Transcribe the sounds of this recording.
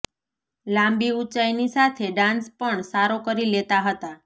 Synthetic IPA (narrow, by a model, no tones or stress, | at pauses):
lãmbiut͡ʃajnisat̪ʰeɖãnspəɳsaɾokəɾilet̪aɦət̪a